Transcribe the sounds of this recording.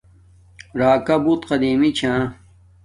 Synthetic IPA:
ɾaːkɐbut̪qɐd̪iːmit͡ɕʰãː

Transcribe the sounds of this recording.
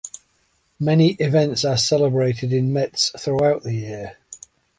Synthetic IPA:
mɛnɪʔɪvɛ̃ntsəsɛlɪbɹeɪtʰɪdɪ̃nmɛtsθɹuaʊʔðəjɪə

